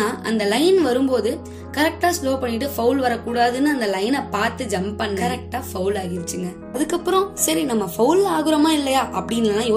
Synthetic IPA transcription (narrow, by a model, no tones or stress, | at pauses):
aːʔɐ̰nd̪ɐlɐɪnʋɐɾɯmpoːðɯ | kɐɾɛk̚ʈaːsloːpɐɳːɪʈ̬ːɯfɐʊlʋɐɾɐkːuːɽaːðɯnːɯɐnd̪ɐlɐɪnɐpaːɾt̪ɯd͡ʒɐmpɐɳːkɐɐɾɛk̚ʈaːfɐʊlaːɣɪʋɪt͡ʃːɯŋɡɐ | ɐðɯkːɐpːɯɾɔ̃sɐɾinɐmːɐfɐʊlaːɣɯɾɐmaːɪlːɐjaːʔɐpːɐɽɪnːalãːjoː